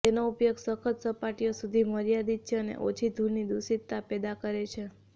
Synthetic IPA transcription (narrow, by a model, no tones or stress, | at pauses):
t̪enoupjoɡsəkʰət̪səpaʈijosud̪ʱiməɾijad̪it͡ʃʰeənḛʔo̰t͡ʃʰid̪ʱuɾnid̪usit̪ːapɛd̪akəɾet͡ʃʰe